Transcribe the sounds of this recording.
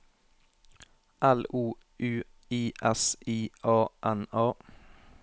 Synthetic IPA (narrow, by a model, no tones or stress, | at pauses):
ʔæluː | ʔʉː | iːʔɛsʔiːʔɑːʔænɑː